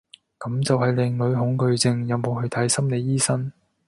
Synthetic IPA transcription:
kɐ˨˥mt͡sɐ˨whɐ˨jlɪ˨ŋlɵ˨˧ɥɦʊ˨˧˥ŋkɵ˧ɥt͡sɪ˨˧ŋjɐ˨˧wmo˨˧whɵ˧ɥt̪ʰɐ˨˥jsɐ˥mne˨˧jjiː˥sɐ˥n

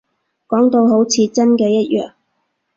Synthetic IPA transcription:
kɔː˨˥ŋt̪o˧wɦo˨˥wt͡sʰiː˧t͡sɐ˥nkɛː˧jɐ˥t̚jœ̰ː˨ŋ

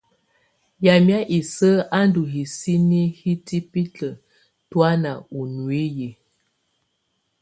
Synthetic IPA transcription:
ja˨m˦a˦ʔi˨sə˦ʔa˦ndu˨ɦi˨si˦ni˦hi˦ti˦pi˦tə˨ | twa˦na˨u˨nu˨e˦je˨

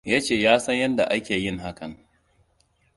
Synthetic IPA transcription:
ja˦t͡ʃeː˦˨jaː˦sɐ˦ɲjɐ˦nda̰˨ʔa˦kʲeː˨jɪ˦˨ŋɦa˦kɐ˨ŋ

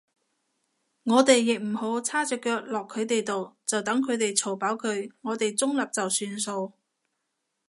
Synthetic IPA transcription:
ŋɔː˨˧t̪e˨jːɪ˨k̚m̩˨˩ho˨˥wt͡sʰaː˥t͡ʃœː˨kːœː˧k̚lɔː˨kʰːɵ˨˧ɥt̪e˨jt̪o˨wt͡sɐ˨wt̪ɐ˨˥ŋkʰɵ˨˧ɥt̪e˨jt͡sʰo˨˩wpaː˨˥wkʰɵ˨˧ɥŋɔː˨˧t̪e˨jt͡sʊ˥ŋlɐ˨p̚t͡sɐ˨wsyː˧nso˧w

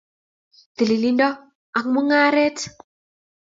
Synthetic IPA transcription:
t̪ə˨li˨li˦ndɔ˦ | a˨kmu˦ŋa˦ɾe˦t

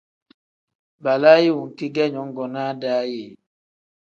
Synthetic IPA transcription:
ba˨la˦ji˦u˨ŋ̩˨ki˦ɡɛ˦ɲɔ˨˦ŋ˦ɡɔ˨na˦da˦je˨

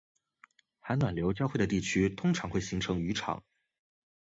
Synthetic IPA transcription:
xa˧˥nwa˨˩nljo˧˥ʊt͡ɕjxwɪdə˩t̪i˥˩t͡ɕʰy˥t̪ʰʊ˥ŋʈ͡ʂʰɑ˧˥ŋxwe˥˩ɪɕi˧˥ŋʈ͡ʂʰɤ˧˥ŋy˧˥ʈ͡ʂʰɑ̰˨˩˦ŋ

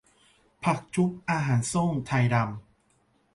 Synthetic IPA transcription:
pʰa˨˩k̚t͡ɕʰu˦˥p̚ʔaː˧ɦaː˩˦nso˥˩ŋt̪ʰa˧jɾa˧m

